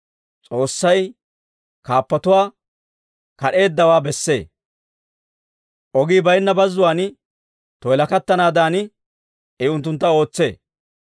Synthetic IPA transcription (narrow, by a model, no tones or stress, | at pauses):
t͡sʼo̞ːsːɐj | kaːpːɐt̪ʊwaː | kɐɗe̞ːd̪ːɐwaːbɛsːe̞̰ː | ʔɔɡiːbɐjnːɐbɐzːʊwaːn | t̪ɔjlɐkɐt̪ːɐnaːd̪aːnɪ | ɛʊnt̪ːʊnt̪ːɐo̞ːt͡sːe̞̰ː